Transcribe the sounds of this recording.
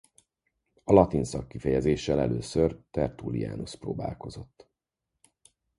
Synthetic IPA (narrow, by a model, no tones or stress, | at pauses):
ɒlɒt̪insɒkːifɛjɛzeːʃːɛlɛløːsørt̪ɛrt̪ulija̰ːnosproːbaːlko̞zo̞t̪ː